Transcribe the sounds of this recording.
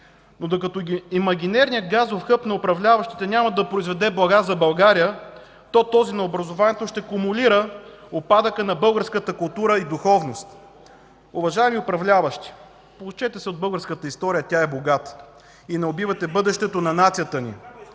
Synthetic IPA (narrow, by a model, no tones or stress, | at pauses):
nod̪okɐt̪oimɐɡʲinɛɾnijət̪̚ɡazvofxɤpnɐʊpɾɐvlʲavɐʃt̪i̥t̪ɛnʲamɐd̪ɐpɾoizvɛd̪ɛblˠɐɡazɐbɐlˠɡaɾijə | t̪ɔt̪ɔzinɐobɾɐzovanɛt̪oʃt̪ɛkʊmʊliɾəopad̪əkənɐbɤlˠɡəɾskət̪əkʊlˠt̪uɾəid̪ʊxɔvnost̪ | ʊvɐʒaɛmiʊpɾɐvlʲavəʃt̪i̥ | polˠut͡ʃɛt̪ɛsɛod̪̚bɤlˠɡəɾskət̪əist̪ɔɾijət̪ʲjaɛboɡat̪ | inɛobivɐt̪ɛbɤd̪ɛʃt̪ɛt̪onɐnat̪sijət̪ənḭ